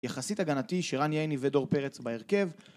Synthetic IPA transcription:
jaχasit̪aɡanat̪iʃeʁanjejnivedo̞ʁpe̞ʁet͡sbaeʁke̞v

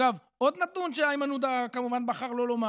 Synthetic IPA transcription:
av | ʔo̞d̪nat̪unʃeajmanud̪akamuvanbaχaʁlo̞loma

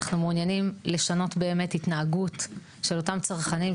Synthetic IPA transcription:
χnumunjanimle̞ʃano̞tbe̞ːme̞titnaːɡut | ʃe̞lo̞tamt͡saʁχanim

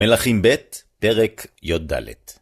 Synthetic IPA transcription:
melaχimbet̪peʁekjod̪̚da̰lḛt̪

